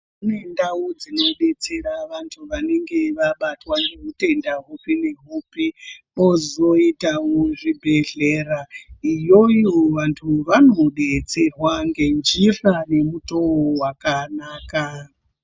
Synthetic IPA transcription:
une̞ndaud͡zino̞ɗe̞t͡se̞ɾaʋantʰuʋane̞ŋɡe̞ʋaɓatwanɡeɦute̞ndaɦupine̞ɦupipo̞zo̞itawoʐibʱe̞ɮeːraijo̞ioʋantʰuʋano̞ɗe̞t͡se̞rwaŋɡe̞nd͡ʒirane̞muto̞wowakanaːka

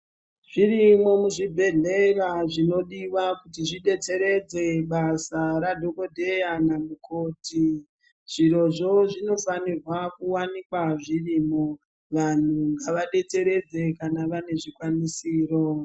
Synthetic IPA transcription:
ʐ̥irimo̞muʐibʱe̞ɮe̞raʐino̞ɗiʋakutiʐiɗe̞t͡se̞ɾe̞d͡ze̞ɓasaɾadʱo̞ko̞dʱe̞janamukʰoːti | ʐ̥iɾo̞ʐo̞ʐino̞fanirwakuwanikwaʐiriːmo | ʋan̤uŋɡaʋaɗe̞t͡se̞ɾe̞d͡ze̞kanaʋane̞ʐikwanisiːro̞

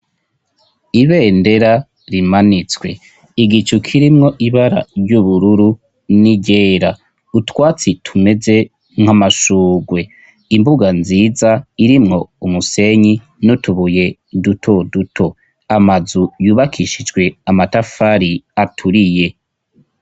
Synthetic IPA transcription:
iβeːnde̞ɾa | ɾimanit͡swe̞ | iɡit͡ʃukʰiɾimŋo̞ʔiβaɾa̰ɾɟuβuɾuɾu | niɟeːɾa | utwaːt͡sitʰume̞ze̞ | ŋ̥hamaʃuːɡwe̞ | imbuɡanziːzaiɾimŋo̞umuse̞ɲi | nutuβuje̞dutʰo̞dutʰo̞ | amazujuːβakʰiʃid͡ʒɡwe̞amatafaɾiatʰuɾije̞

